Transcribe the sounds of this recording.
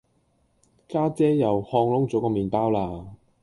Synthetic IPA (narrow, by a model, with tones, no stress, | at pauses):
kaː˥t͡sɛː˥jɐ˨whɔː˧ŋlʊ˥ŋt͡sɔː˨˥kɔː˧miː˨˩npaː˥wlaː˧